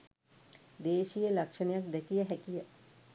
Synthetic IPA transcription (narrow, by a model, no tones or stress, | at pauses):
d̪eːʃijəlakʂənəjak̚d̪ɛkijəɦækijə